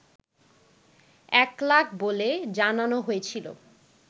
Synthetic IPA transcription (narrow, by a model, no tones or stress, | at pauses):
ɛklak̚ʰboled͡ʑananoɦoet͡ɕʰilo̰